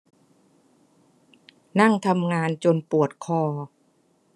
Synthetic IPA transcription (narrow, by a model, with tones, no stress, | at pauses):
na˥˩ŋt̪ʰa˧mŋaː˧nt͡ɕo˧npu˨˩ət̪̚kʰɔː˧